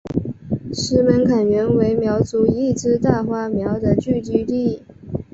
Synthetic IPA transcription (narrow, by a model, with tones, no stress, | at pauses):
ʂɻ̩˧˥mə˧˥nkʰa˨˩nɥɛ˧˥nwe˧˥ɪmjɑ˧˥ʊt͡su˧˥i˥˩t͡sɹ̩˥t̪a˥˩xwa˥mjɑ˧˥ʊd̪ə˨t͡ɕy˥˧t̪y˥˧t̪i˥˩